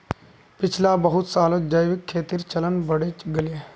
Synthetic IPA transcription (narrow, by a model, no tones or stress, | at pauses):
pɪt͡ʃʰlabɐɦʊt̪saːlõd͡ʒəjʋɪkʰːeːt̪ɪɾt͡ʃɐlənbɐɽet͡ʃɡəlie